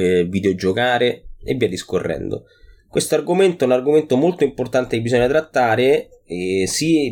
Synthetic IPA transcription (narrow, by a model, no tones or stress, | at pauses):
vid̪eod͡ʒokaːɾeḛvːɛdiskorːɛ̰nd̪o̰ | kwest̪oarɡoment̪oɛunarɡoment̪omolt̪oimport̪ant̪eebːisɔɲːat̪ɾat̪ːaːɾe | si